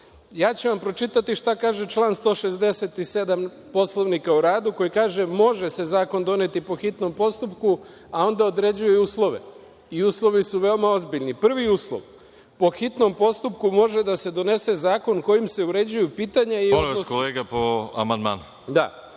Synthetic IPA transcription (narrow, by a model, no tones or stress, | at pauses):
jaːt͡ɕuʋampɾo̞t͡ʃit̪at̪iʃt̪akaːʒe̞t͡ʃlˠaːnst̪o̞ːʃe̞zd̪e̞se̞t̪ise̞d̪am | po̞slˠo̞ʋnikauɾaːd̪uko̞jikaːʒe̞mo̞ʒe̞se̞zaːko̞nd̪o̞ne̞t̪ipo̞xit̪no̞mpo̞st̪upku | ao̞nd̪ao̞d̪ɾe̞d͡ʑujeuːslˠo̞ʋe̞̰ | iuːslˠo̞ʋisuʋe̞omao̞zbiʎnipr̩ʋiuːslˠo̰ʋ | po̞xit̪no̞mpo̞st̪up̚kumo̞ʒe̞d̪ase̞d̪o̞ne̞se̞zaːko̞nko̞jimse̞uɾe̞d͡ʑujupiːt̪aɲaioliaskoleːɡapoa̰mand̪ma̰ːnu | d̪a̰